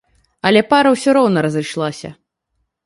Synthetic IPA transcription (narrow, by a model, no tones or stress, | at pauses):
ɐlʲɛpaɾɐwsʲɔɾɔwnɐɾɐzɨjʂlˠasʲɐ̰